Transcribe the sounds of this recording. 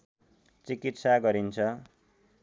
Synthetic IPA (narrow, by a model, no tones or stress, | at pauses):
t͡sikit̪saɡʌɾint͡sʰʌ